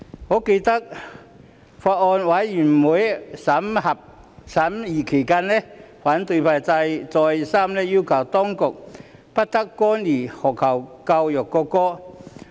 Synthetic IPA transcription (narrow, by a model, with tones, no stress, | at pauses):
ŋɔː˨˥ke˧jt̪ɐ˥k̚ | faː˧t̚ɔː˧nwa˨˥jjy˨˩nmuː˨˥jsɐ˨˥mhɐ˨˩p̚ | sɐ˨˦˥mjiː˨˩kʰe˨˩jkaː˧˥nlɛ˥faː˨˥nt̪ɵ˧jpʰaː˧jt͡sa˧jt͡sɔː˧jsaː˥mlɛ˦˥ji˥wkʰɐ˨˩wt̪ɔː˥ŋkʊ˨k̚pɐ˦˥t̚t̪ɐ˥kːɔː˥nːiː˨˩hɔ˨kʰɐ˨˩wkɐ˧wjœː˨˩kːɔː˧kɔː˥